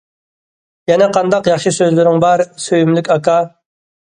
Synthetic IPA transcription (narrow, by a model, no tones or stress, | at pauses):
jɛnɛqʰɑnd̪ɑqjɑχʃɨsøzlɪɾɪŋbɑɾsøjymlykʲɑkɑ